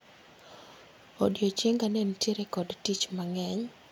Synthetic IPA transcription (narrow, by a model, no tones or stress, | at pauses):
odjot͡ʃɪŋɡanɛntjeɾɛkɔdtit͡ʃmaŋɛɲ